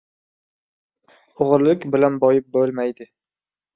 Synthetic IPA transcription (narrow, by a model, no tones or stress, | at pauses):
oʁɾlɪkʲbɪlanbɒjɪp̚bɵlˠmajd̪ɪ